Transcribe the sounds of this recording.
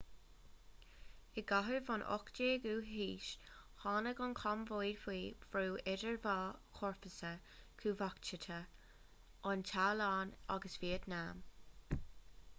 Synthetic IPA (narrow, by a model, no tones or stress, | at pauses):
ɪɡaɦəvɔnʔɔ̰kd͡ʒeːɡuːɦiːʃhɑːnəɡʊnkʰɔmvojdhiːv̥ɾuːɪdəɹvɑːkʰɔɹpəsə | kʰuːvakt͡ʃət̪ʰə | ʔʊntʰaːlɑːna̰ɡəsv̥iːəd̪naːm